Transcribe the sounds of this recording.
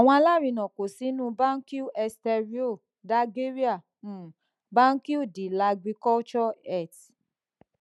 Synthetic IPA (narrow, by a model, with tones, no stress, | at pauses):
a˨w̃ɔ̃˧a˧la˦˨ɾĩ˧nɔ̃˨ko˨si˨˦nũ˦ba˦ŋ̩˦ki˦u˦ɛ˧stɛ˧ɾi˦o˦˨ | da˦ɡe˦ɾi˦ã˦˨˦ | bã˦ŋ̩˦ki˦u˦˨di˨la˧ɡi˧kɔ˦t͡ʃɔ˦ɛ˦˨t